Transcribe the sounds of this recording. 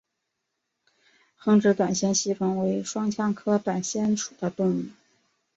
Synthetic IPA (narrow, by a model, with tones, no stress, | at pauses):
xɤ˧˥ŋʈ͡ʂɻ̩˧˥t̪wa˨˩nɕjɛ˥nɕi˥fɤ˧˥ŋwe˧˥ɪʂwɑ˥ŋt͡ɕʰjɑ˥ŋkʰɤ˥t̪wa˨˩nɕjɛ˥nʈ͡ʂʰu̥˨˩d̪ə˦t̪ʊ˥˧ŋu˥˩